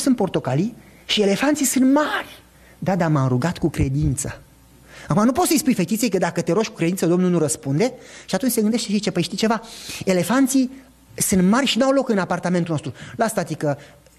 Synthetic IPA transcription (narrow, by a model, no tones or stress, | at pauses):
sɨnt̪̚po̞rt̪o̞kali | ʃie̞le̞fant̪sisɨnt̪marʲ | d̪ad̪amamɾuɡat̪kukɾe̞d̪int̪sə | akumanupot̪səjspujfe̞t̪it̪sejkəd̪akət̪eɾoʃʲku̥kɾe̞d̪insəd̪o̞mnulnuɾəspund̪e̞ʃiat̪unt͡ʃʲse̞ɡɨnd̪eʃt̪eʃit͡ʃepəjʃt̪it͡ʃe̞vae̞le̞fant̪si | sɨnt̪marʲʃinuawlo̞kɨnapart̪ame̞nt̪ulnost̪ɾulast̪at̪ikə